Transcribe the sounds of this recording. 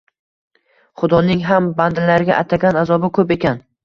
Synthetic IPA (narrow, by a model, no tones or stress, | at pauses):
χʊd̪ɒnɪŋɦamband̪ɪlaɾɪɡʲaʔat̪ʰaɡʲanazɒbɪkʰɵpe̞kʲʰan